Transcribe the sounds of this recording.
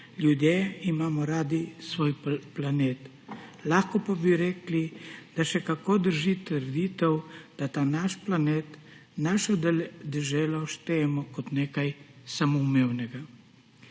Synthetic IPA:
lʲjud̪jeimaːmɔɾaːd̪isʋoːjplaneːt̪ | laxkɔpabiɾɛːklid̪̥aʃɛkakod̪əɾʒit̪əɾd̪it̪ɛwd̪̥at̪aːnaʃplaneːt̪ | naʃɔd̪ɛld̪ɛʒɛːlaʃt̪eɛmɔkɔt̪neːkajsamɔumewnɛɡa

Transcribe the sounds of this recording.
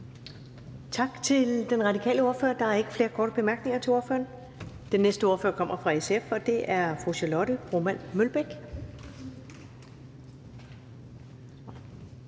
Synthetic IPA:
t͡sʰɑ̈ɡ̥t͡sʰe̝ld̥enʁɑ̈d̥ikʰɛ̰ːləo̝ɐfø̰ɐd̥ɑ̈æɐe̝ɡ̥ə̥fle̝ːɐkʰɒːɾ̥əb̥e̝mæɐɡ̥ne̝ŋɐt͡sʰe̝o̝ɐfø̰ːɐn | d̥enːesd̥əo̝ɐfø̰ɐkʰɒ̽m̰ɐfʁɑ̈eseefɒ̽d̥e̝ʔæɐfʁuɕælɔɾəʁomænmølb̥eɡ̥

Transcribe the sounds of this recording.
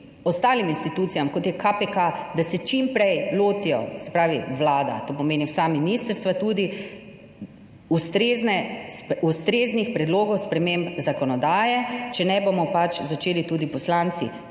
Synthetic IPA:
ɔst̪aːliminst̪it̪uːt̪sijamkɔt̪jɛkʰapekad̪asɛt͡ʃimpɾɛjloːt̪ijɔ̰sɛ̥pɾaːʋiʋlaːd̪a̰t̪oːpɔmeːniwsaminist̪əɾst̪ʋat̪ud̪i | ust̪ɾeːznɛust̪ɾeːznixpɾɛd̪loːɡɔwspɾɛmeːmpzakɔnɔd̪aːjɛt͡ʃɛnɛbomɔpat͡ʃzat͡ʃeːlit̪uːd̪ipɔslaːnt̪sḭ

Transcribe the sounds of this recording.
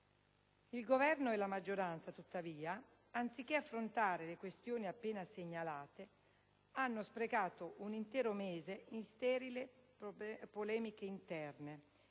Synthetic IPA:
ilɡovɛrnoɛlamad͡ʒːoɾant̪sat̪ut̪ːaviːaː | nt̪sik̟ːeafːɾont̪aːɾelekwest̪joːniapːeːnaseɲːalaːt̪e | anːospɾeɡaːt̪oʔunint̪ɛːɾomeːzeinst̪ɛːɾile | polɛːmikeint̪ɛrne

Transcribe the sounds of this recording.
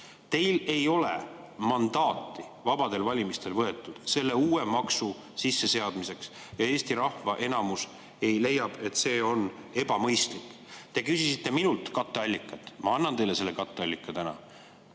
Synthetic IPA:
t̪e̞jle̞jo̞le̞ | mɑnd̪̥ɑːt̪ːˑi | vɑb̥ɑd̪e̞lvɑlʲimist̪e̞lvɤ̞e̞t̪ːˑud̪̥se̞lːe̞uːe̞mɑksu | sisːe̞se̞ɑd̪̥mise̞ks | jɑe̞ːst̪iɾɑhvɑʔe̞nɑmus | e̞jle̞jːɑb̥e̞t̪ːse̞ːo̞ne̞b̥ɑmɤjst̪likːˑ | t̪e̞kysisit̪ːˑe̞minult̪kɑt̪ːˑeɑlʲːikːˑɑt̪ːˑmɑɑnːɑnt̪e̞jle̞se̞lːe̞kɑt̪ːˑeɑlʲːikːˑɑt̪ænɑ̰

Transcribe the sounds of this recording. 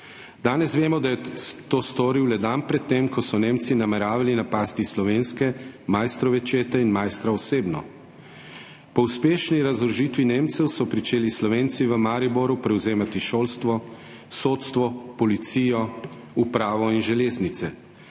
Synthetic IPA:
d̪aːnɛsʋeːmɔd̪ajɛt̪oːst̪oɾiwlɛd̪anpɾɛt̪ːemkɔsɔneːmt̪sinamɛɾaːʋalinapaːst̪islɔʋeːnskɛmajst̪ɾɔʋɛt͡ʃeːt̪ɛinmajst̪ɾaɔseːbnɔ̰ | pɔuspeːʃniɾazɔɾʒiːt̪ʋineːmt̪sɛwsɔpɾit͡ʃeːlislɔʋeːnt̪siʋəmaːɾiboɾupɾɛwzeːmat̪iʃolst̪ʋɔ | soːt̪st̪ʋɔpɔlit̪siːjɔ | upɾaːʋɔinʒɛleːznit̪sɛ

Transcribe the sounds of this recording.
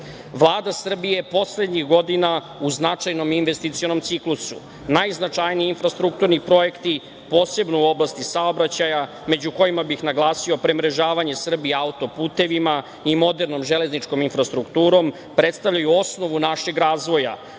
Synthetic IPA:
ʋlˠaːd̪asr̩bije̞po̞sle̞d̪ɲixɡo̞d̪ina | uznat͡ʂajno̞minʋest̪it̪sio̞no̞mt̪siklusṵ | najznat͡ʂajniiinfɾast̪ɾuk̚t̪uɾnipɾo̞je̞kt̪i | po̞ːse̞bnouo̞blˠast̪isao̞bɾat͡ɕaja | me̞d͡ʑuko̞jimabixnaɡlˠaːsio̞pɾe̞mɾe̞ʒaːʋaɲe̞sr̩bieaut̪o̞puːt̪e̞ʋima | imo̞d̪e̞ɾno̞mʒe̞le̞znit͡ʂko̞minfɾast̪ɾukt̪uːɾo̞m | pɾet̪st̪aʋʎajuo̞sno̞ʋunaʃe̞ɡɾaːzʋo̞ja̰

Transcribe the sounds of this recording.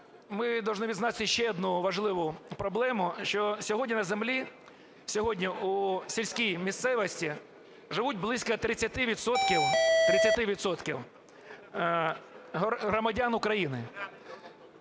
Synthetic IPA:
mɪd̪ɐwʒnɪʋʲid̪znɑt̪ʲɪʃt͡ʃɛɔd̪nuʋɐʒlˠɪʋʊpɾɔblˠɛmʊʃt͡ʃɔsʲɔɦɔdʲnʲinɐzemlʲi | sʲɔɦɔdʲnʲiusʲilʲsʲkʲijmʲist̪sɛʋɔsʲtʲi | ʒɪʋud̚ʲblˠɪsʲkɐt̪ɾɪt͡sʲːɐt̪ɪʋʲid̪sɔt̪kʲiwt̪ɾɪt͡sʲːɐt̪ɪʋʲid̪sɔt̪kʲiw | ɦɦɾɔmɐdʲanʊkɾɐjinɪ

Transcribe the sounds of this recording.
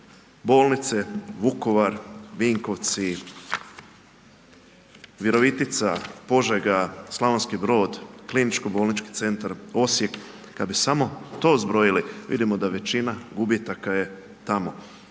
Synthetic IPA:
bo̞ːlˠnit̪seʋuko̞ʋaɾʋiːŋko̞ʋt̪si | ʋjeɾo̞ʋit̪it̪sapo̞ʒeɡaslˠaʋonskibɾo̞ːd̪klinit͡ʃko̞bo̞ːlˠnit͡ʃki̥t̪se̞nt̪aɾo̞sje̞kː | ad̪bisamo̞t̪o̞ːzbɾo̞jiliʋḭd̪imo̞d̪aʋe̞t͡ʃinaɡubjet̪akaje̞ | t̪amo̞

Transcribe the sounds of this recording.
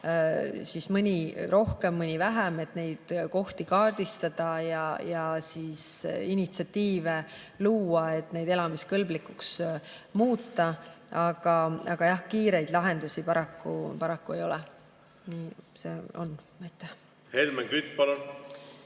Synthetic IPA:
sismɯnʲiɾo̞hke̞mːɯnʲivæɦæme̞t̪ne̞jd̪̥ko̞ht̪ikɑːrd̪̥ist̪ɑd̪̥ɑjɑjɑsiːsinit̪siɑt̪ːiːve̞ | luːɑe̞t̪ːne̞jd̪̥e̞lɑmiskɤlblikːˑuks | muːt̪ːɑɑɡ̥ɑɑɡ̥ɑjɑhkiːɾe̞jd̪lɑɦe̞nd̪̥usipɑɾɑkːˑṵpɑɾɑkːue̞jo̞lɛ̰ | niːseo̰nvæjt̪ːˑe | helmeŋkyt̪̚ːˑpɑlun

